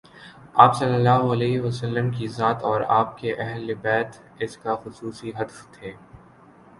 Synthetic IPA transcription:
aːpsɐlːəlːaːɦoɐlɛːɦʋɐsɐlːəmkizaːt̪ɔːɾaːp̚keʔɛɦlːɪbɛːt̪ | ɪskaxʊsuːsiɦɐd̪ft̪ʰeː

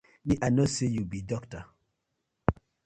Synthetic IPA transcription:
niʔanosejubidɔkta

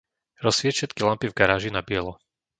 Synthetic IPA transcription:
ɾɔsːɪɛcʃɛt̪kilampivɡaɾaːʒinabɪɛlɔ

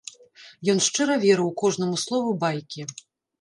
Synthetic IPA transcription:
jɔnʂt͡ʂɛɾɐvʲɛɾɨwkɔʐnɐmuslˠɔvubajkʲi

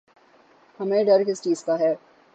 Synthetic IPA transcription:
hɐmẽɖɐɾkɪst͡ʃiːzkaɦɛː

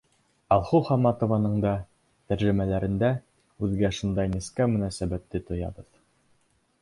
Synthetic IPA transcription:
ɑlˠχuχɑmɑt̪ŏvɑnɤɴd̪ɑ | t̪æɾʒɘ̆mælæɾɘ̆nd̪æ | ʉðɡæʃund̪ɑjniskæmɵ̆næsæbæt̪ːɘt̪ŏjɑ̰bɤð

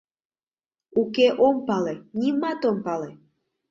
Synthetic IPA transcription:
ukeʔompɑlenimɑt̪ompɑle

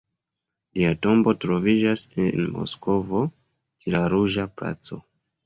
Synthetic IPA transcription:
liato̞mbo̞tɾo̞vid͡ʒasenmo̞̰sko̞vo̞ | kilaɾuʒapla̰t͡so̞̰

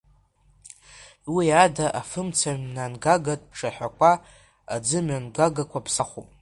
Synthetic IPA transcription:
wiadaʔafɨmt͡sʰananɡaɡatʼpʈ͡ʂʰʼaħʷᶣakʷʰa | ad͡zɨmɥanɡaɡakʷʰapʰsaχṵpʼ

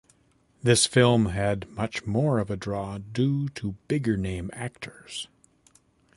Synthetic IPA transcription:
ðɪsfɪlˠmɨdmʌt͡ʃmɔɹʌvɨdɹɔdʉɾəbɪɡə˞nẽɪ̃mæk̚tʰə˞z̥

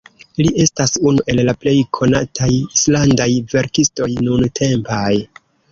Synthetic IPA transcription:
liʔe̞stasunuʔe̞lːaple̞jkʰo̞na̰tʰajislandajve̞ɾkisto̞jnuntʰe̞mpaj

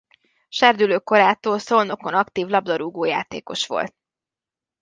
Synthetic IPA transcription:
ʃɛrd̪yløːko̞ɾaːt̪oːlso̞lno̞ko̞nɒkt̪iːvlɒb̚d̪ɒɾuːɡoːja̰ːt̪ḛːko̞̰ʃʋo̞̰lt̪̚

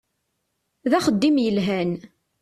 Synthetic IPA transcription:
ðæχəd̪ːimjəlɦæn

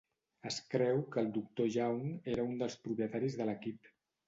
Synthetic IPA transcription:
əskɾɛwkəːlˠd̪uk̚t̪oʒawneɾəund̪əlˠspɾupjət̪aɾizðələkip

